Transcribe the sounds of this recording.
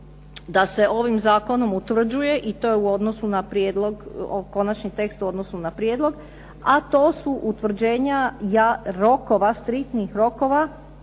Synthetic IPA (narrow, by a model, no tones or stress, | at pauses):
d̪ase̞ʔo̞ʋimzaːko̞no̞mut̪ʋr̩d͡ʑuje̞ʔit̪o̞ːjeuo̞d̪no̞sunapɾjeːd̪lo̞ɡoko̞nat͡ʃnit̪e̞kst̪uo̞d̪no̞sunapɾjeːd̪lo̞ɡ | at̪o̞ːsuʔut̪ʋr̩d͡ʑe̞ːɲajaɾo̞ko̞ʋast̪ɾikt̪nixɾo̞ko̞ʋa